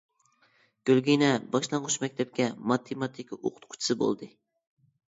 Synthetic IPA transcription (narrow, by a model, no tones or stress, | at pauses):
ɡ̥ʲølɡʲijnɛbɑʃlˠɑɴʁʊʃmɛkʲt̪ʰɛp̚kʲɛmɑt̪ʰemɑt̪ʰikʰʲo̰qʰʊ̥t̪qʰʊ̥t͡ʃʰi̥sɨbo̰lˠd̪ɨ